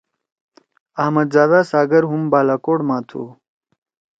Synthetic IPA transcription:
ɐhmɐd̪zaːd̪aːsaːɡɐɾɦumbaːlaːkoːɽmãːt̪ʰṵː

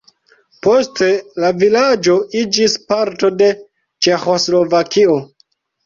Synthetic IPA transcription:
po̞ste̞lavilad͡ʒo̞ʔid͡ʒispaɾto̞de̞ | t͡ʃe̞xo̞slo̞vakʰio̞

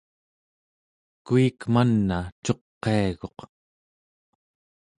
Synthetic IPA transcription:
kuikmanːat͡ʃo̞qːeaɣo̞q

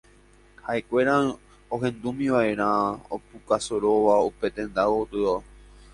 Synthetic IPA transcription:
hae̞kʷe̞ɾã | oɦẽ̞nd̪umĩʋaʔe̞ɾ̃ão̰pukasoɾo̞ʋaupe̞t̪ẽ̞nd̪awot̪ɨo

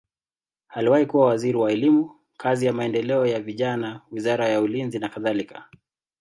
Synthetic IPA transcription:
haliwahikuwawaziɾiwaɛlimu | kazijamaɛndɛlɛɔjaviʄanawizaɾajaulinzinakaðalikḁ

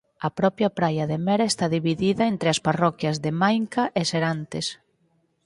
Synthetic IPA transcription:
ɐpɾɔpjɐpɾajɐðemɛɾaest̪aðiβiðiðɐent̪ɾeasparɔkjɐzðemajŋkaʔeseɾant̪es

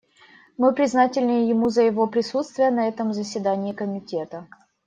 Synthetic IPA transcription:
mɨpɾʲɪznatʲɪlʲnɨjjɪmuzəjɪvo̞pɾʲɪsut̪st̪vʲɪjənɐɛt̪əmzəsʲvʲɪd̪anʲɪːkəmʲɪtʲet̪ə

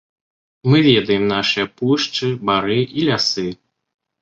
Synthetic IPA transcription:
mɨvʲɛd̪ɐjɛmnaʂɨjɐpuʂt͡ʂɨbaɾɨʔilʲasɨ

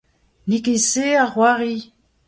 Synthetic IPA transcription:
nikiseaχwaʁi

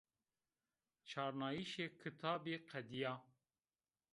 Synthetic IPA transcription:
t͡ʃʰɑːɾnɑːjiʃeːkʰɨt̪ʰɑːbeːqʰɛd̪ijaː

